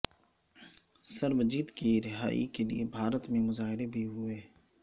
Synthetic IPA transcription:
sɐɾbd͡ʒiːt̪kiɾɪɦa̰ːḭkeliebʱaːɾət̪mẽmʊzaːɦɪɾebʱiɦʊeː

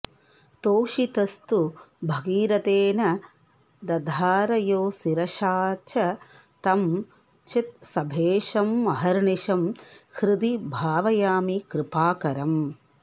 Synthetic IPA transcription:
t̪oːʃit̪ɐst̪ubʱɐɡiːɾɐt̪eːnɐ | d̪ɐd̪ʱaːɾɐjoːsiɾɐʃaːt͡ʃɐ | t̪ɐm | t͡ʃit̪̚sɐbʱeːʃɐmːɐɦɐɾɳiʃɐmkɾɪd̪ibʱaːʋɐjaːmikɾɪpaːkɐɾɐm

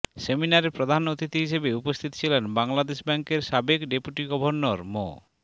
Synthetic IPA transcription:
seminaɾeɾpɾod̪ʱanot̪it̪iɦiʃebeupost̪ʰit̪o̥t͡ɕʰilenbaŋlad̪eʃbɛŋkeɾʃabekɖepuʈiɡɔbʱonːoɾmo̰

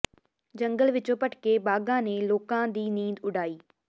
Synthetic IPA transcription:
d͡ʑɐ̃ŋɡəlʋɪt͡ɕoːpəʈʰkebaːɡãːnẽloːkãːd̪iːniːd̪ʊɖʱaːiː

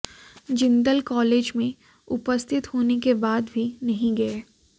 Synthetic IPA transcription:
d͡ʒɪ̃nd̪əlkɔːleːd͡ʒmẽ | ʊpəst̪ʰɪt̪hoːnekebaːd̪bʱinɐɦĩɡɐeː

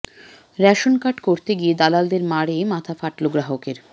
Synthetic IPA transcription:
ɾɛʃonkaʈkoɾt̪eɡied̪alald̪eɾmaɽemat̪ʰafaʈloɡɾaɦokeɾ

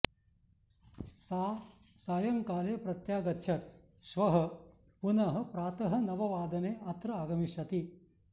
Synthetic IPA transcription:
saː | saːjɐŋkaːleːpɾɐt̪jaːɡɐtːʃʰɐt̪̚ | ʃʋɐɦɐ̆ | punɐɦɐ̆pɾaːt̪ɐɦɐ̆nɐʋɐʋaːd̪ɐneːɐt̪ɾɐaːɡɐmiʂɐt̪i

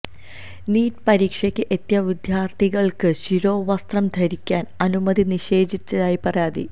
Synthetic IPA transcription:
niːtpɐɾiːkʂɐkʲːɨʔet̪jɐʋid̪jaːrt̪ʰiɣɐɭkɨɕiɾoːʋɐst̪rɐmd̪ʱɐɾikʲːaːnɐnumɐd̪iniɕe̞ːd͡ʑit͡ɕːɐðaːjipɐraːd̪ḭ

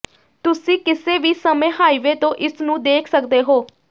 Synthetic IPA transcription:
t̪ʊsĩːkɪseːʋiːsəmẽːɦaːiʋeːt̪õːʔɪsnũːd̪eːkʰsəkd̪eːɦoː

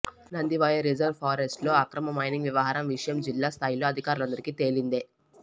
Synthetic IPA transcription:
nɐnd̪iʋɐːjɐɾid͡ʒɐɾʋpʰaːɾesʈlo̞ːɐkɾɐmɐmɐjniŋɡʋjɐʋɐɦaːɾɐmʋiʂɐjɐmd͡ʒilːaːst̪ʰaːjlo̞ːɐd̪ʱikaːɾulɐnd̪ɐɾikit̪e̞ːlind̪eː

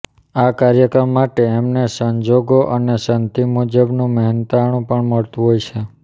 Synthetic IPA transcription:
akaɾjəkɾəmːaʈeemnesəɲd͡ʒoɡoʔənesənt̪imud͡ʒəbnũməɦint̪aɽ̃ũpəɳməɭt̪ũɦojt͡ʃʰe

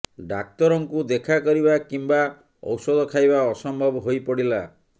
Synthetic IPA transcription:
ɖak̚t̪ɔɾɔŋkud̪ekʰakɔɾiβakimba | ɔ̰wsɔd̪ʱɔkʰajbaɔsɔmbʱɔbɔɦojpɔɽila

